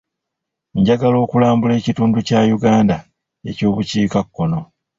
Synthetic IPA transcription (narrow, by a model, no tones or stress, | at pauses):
ɲɟaɡalo̞ːkulaːmbule̞ːcituːnducajuɡaːnda | e̞̰co̞ːβuciːkakːo̞no̞